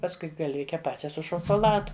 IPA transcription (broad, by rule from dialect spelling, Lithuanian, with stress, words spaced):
pɐsˈkʊɪ ɡɐlʲˈʋʲɪkʲɛ ˈpɑːt͡ʃʲɛ sʊ ʃoːkoːˈlˠɑːdʊ